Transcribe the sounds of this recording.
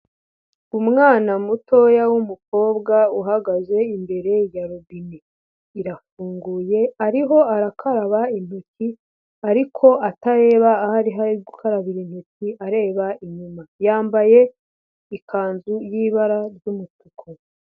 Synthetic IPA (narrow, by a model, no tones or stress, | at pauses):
umŋaːnamuto̞jawumuko̞ːbɡauɦaɡaze̞imbe̞ɾe̞jaɾubiniː | ɾafuːŋɡuːje̞aɾiɦo̞aɾakʰaɾaβain̥huci | aɾikʰo̞ataɾe̞ːβaːhaɾiɦaɾiɡukʰaɾaβiɾin̥huciaɾe̞ːβaiɲumajaːmbaje̞ | ikʰaːnzujiβaɾaɾjumutukʰo